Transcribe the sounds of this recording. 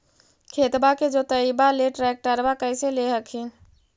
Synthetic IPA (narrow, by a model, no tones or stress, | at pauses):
kʰeːt̪baked͡ʒot̪əibaleʈɾɛːk̚ʈəɾbakəɪseleɦəkʰĩ